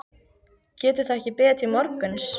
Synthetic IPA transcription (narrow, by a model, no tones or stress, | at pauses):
cɛːt̪ʏθaɛhcɪpɛːt̪ʰɪmɔɾkʏns